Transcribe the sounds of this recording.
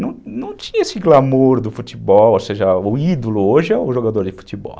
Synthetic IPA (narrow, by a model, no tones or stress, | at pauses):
nɐ̃w̃nɐ̃w̃t͡ʃĩɲɐesɪɡlamoɾd̪ʊfutibɔloseʒɐʊid̪olʊoʒɪɛʊʒoɡad̪oɾd͡ʒɪfu̥t̪ibɔ̰l